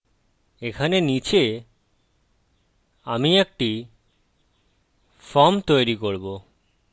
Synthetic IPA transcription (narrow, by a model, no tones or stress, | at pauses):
ekʰanenit͡ɕe | amiek̚ʈi | fɔmt̪ojɾikoɾbo